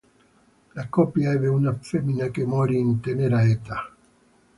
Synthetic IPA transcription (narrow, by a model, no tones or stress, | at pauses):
lakopjaeβeunafeminakemɔɾiːnt̪eneɾaet̪a